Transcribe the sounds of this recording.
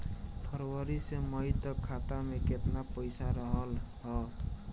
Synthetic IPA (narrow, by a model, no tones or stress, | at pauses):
pʰəɾwəɾisemʌɦit̪ʌkʰːat̪ameket̪napəjsaɾəɦəl | ɦʌ